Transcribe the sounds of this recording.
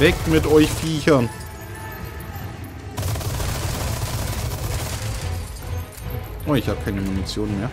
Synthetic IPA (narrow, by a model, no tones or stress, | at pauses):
vɛkmɪtʔɔʏçfiːçɐn | ʔoːɪçhaːb̚əkʰaɪnəmuːnit͡sjoːnnmeːɐ